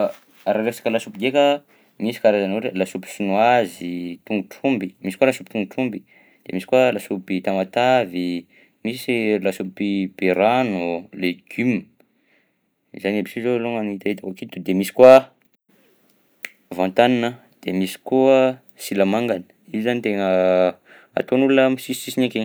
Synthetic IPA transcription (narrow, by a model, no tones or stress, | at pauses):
aɾaɾefsḁkəlasupiɡekə | misi̥kaɾazanoɾelasupi̥sinuazit̪uŋɡuʈ͡ʂumbimisi̥kualasupi̥t̪uŋɡuʈ͡ʂumbi | d̪̥emisi̥kualasupit̪amat̪avi | misilasupipeɾanuleɡ̥ym | izanabisizoloŋanit̪ait̪akakit̪ud̪emisi̥kwa | vãnt̪aninə | d̪̥emisi̥kuə | silamaŋɡanə̥ | izanit̪eŋə | a̰t̪onulunəmisisi̥sisineke